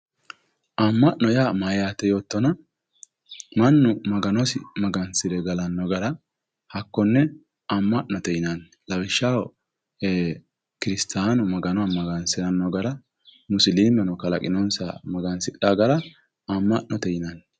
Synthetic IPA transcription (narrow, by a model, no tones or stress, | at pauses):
ʔɐmːɐʔnɔjaːmajaːt̪ːɛjo̞ːt̪ːɔnɐ | mɐnːʊmɐɡɐnɔsɪmɐɡɐnsɪd̪ɛɡɐlɐnːɔɡɐɾɐ | hɐkːɔnːɛ | ɐmːɐʔnɔt̪ɛjɪnɐn | lɐwɪʃːaw | eː | kɪɾɪst̪ʰaːnʊmɐɡɐnɔamɐɡɐnsɪɾɐnːɔɡɐɾɐ | mʊsɪliːmɛnɔkɐlɐ̰kʼɪnɔnsa̰mɐɡɐnsɪᶑaɡɐɾɐ | ɐmːɐʔnɔt̪ɛjɪnɐn